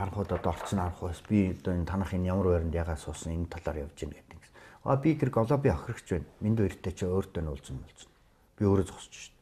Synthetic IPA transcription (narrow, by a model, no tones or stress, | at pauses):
χaɾə̆ɴχʊːt̪ɔt̪ɔɔr̥sə̆naɾə̆χʊjspʲit̪nt̪ʰanaːχenjamə̆ræːɾə̆nt̪jaːʁaːsʊːsə̆ŋent̪ʰːaɮaːrjawt͡ɕiːnɡet̪ɘ̥̆ŋɡe̥swa̰pʲit̪ʰeɾɘ̆kɔɮɔːp̬ʲiœxʲrə̆kt͡ɕpæːnmint̪uːiɾ̆xt̪ʰeːt͡ɕʰeoːrt̪ːœːnʊɮt͡sə̆mpɔɮt͡sɞ̥̆n | pʲioːɾoːt͡sʊ̥sə̥̆t͡ɕɪ̥̆ʃt̪